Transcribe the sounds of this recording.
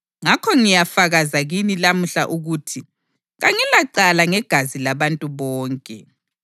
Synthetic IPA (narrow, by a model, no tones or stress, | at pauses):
ŋakʰɔŋijafaɣazaɣinilam̩ɬa̰ʔuɣutʰi | ɣaŋilaǀalaŋɛɡ̥ʱazilaβantʼuβɔːŋkʼɛ